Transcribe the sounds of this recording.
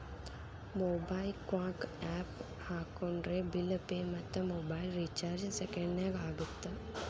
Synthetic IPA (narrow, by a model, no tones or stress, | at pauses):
moːbaːilkwãːkɛːp | haːkonɾebilpemɐt̪ːəmoːbaːilɾit͡ʃaːɾd͡ʒsekeɳɖnɛːɡaːɡut̪ːə